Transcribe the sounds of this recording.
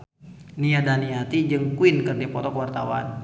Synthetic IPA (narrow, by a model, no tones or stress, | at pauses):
niadaniat̪id͡ʒɨŋkuinkərnipɔt̪ɔkwart̪awa̰n